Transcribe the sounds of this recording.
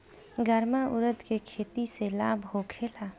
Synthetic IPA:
ɡəɾmaʔʊ̰ɾət̪kekʰeːt̪isela̰ːbʱɦokʰeːlaː

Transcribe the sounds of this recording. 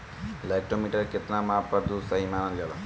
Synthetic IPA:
lajʈomiʈəɾket̪namapəɾd̪usəɦimanəlɡal

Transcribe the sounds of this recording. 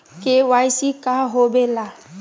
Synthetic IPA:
kewaisikaɦobela

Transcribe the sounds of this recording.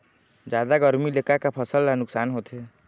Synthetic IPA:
d͡ʒjaːd̪aɡəɾmileːkakapʰəsəlanʊksaːnɦoːt̪ɦɛː

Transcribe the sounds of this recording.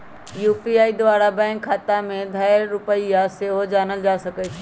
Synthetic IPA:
juːpiaːid̪ʊʋaːɾabɛ̃ːŋkʰːaːt̪amẽd̪ʱaːɪɾːʊpəiaseːɦod͡ʑaːnəld͡ʑaːsɐɡet͡ʃʰɪ

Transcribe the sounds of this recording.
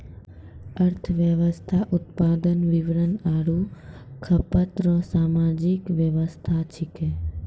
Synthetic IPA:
əɾt̪ʰʋjəʋəst̪ʰaʔʊt̪̚paːd̪ənʋɪʋɾənaːɽukʰəpət̪ɾɔsamad͡ʒɪkʋjəʋəst̪ʰat͡ʃʰɪke

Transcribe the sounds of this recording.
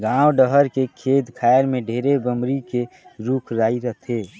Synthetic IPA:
ɡãːwɖəɦəɾkekʰeːd̪kʰaeɾmeɖʱeːɾebəmɾikeɾukʰɾaːiɾəɦt̪ʰe

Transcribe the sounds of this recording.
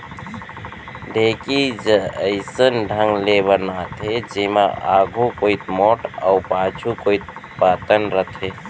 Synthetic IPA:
d̪ʱekid͡ʒəəɪsənɖʱəŋɡleβənat̪ʰed͡ʒiːmaa̰ːɡʱokoit̪mɔːʈə̰ʊpaːt͡ʃʰukoːit̪̚paːt̪ənɾət̪ʰe

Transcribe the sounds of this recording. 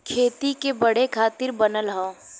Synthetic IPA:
kʰeːt̪ikebɐɽ̤ekʰaːt̪ɪɾbɐnəlɦã

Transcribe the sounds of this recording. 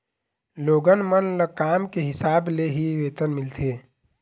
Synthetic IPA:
loːɡənmənləkaːmkeɦɪsaːbleɦiʋeːt̪ənmɪlt̪ʰe

